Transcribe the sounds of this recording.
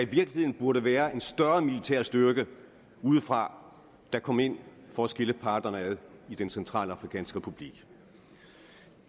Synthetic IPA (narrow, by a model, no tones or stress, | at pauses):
æiʋiɐɡ̥lihe̝ðˠn̩b̥uɐɾəʋæːɐʔe̝nsd̥ɶɐmilit͡sʰæɐ̰sd̥yɐɡ̥ə | uːð̞̩ˠfʁɑ̈ | d̥ɑ̈kʰɒ̽m̰e̝n̰fɒæsɡ̥e̝ləpʰɑ̈ːd̥ɐnəæðˠid̥ensent͡sʰʁɑ̰̈ːlɑ̈fʁikʰɛ̰ːnsɡ̥əʁepʰub̥liɡ̥